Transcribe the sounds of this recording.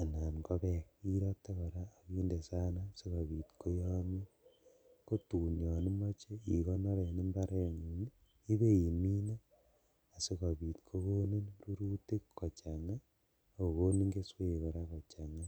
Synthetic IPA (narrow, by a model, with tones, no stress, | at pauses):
a˨na˨nkɔ˦kɛ˨ki˦ɾɔ˦tːe˦kɔ˨ɾaː˦˨kiː˦nde˨sa˦nasi˦kɔ˨βi˨tko˦jɔ˦mi˦ | ko˦tuː˨ɲɔ˨ni˦mɔ˦t͡ʃe˦i˨kɔ˦nɔ˦ɾe˨ni˦mba˦ɾʔe˨ŋu˨n | i˦βe˦i˨mi˦na˦ | a˨si˦ka˨bi˨tkʰo˦ko˦ne˦nru˦ɾu˦ti˦kːɔ˨t͡ʃa˨ŋa˦˨ | ko˨ko˦ni˦ŋɡe˦swe˦˨kɔ˨ɾa˦kɔ˨t͡ʃa˨ŋa˦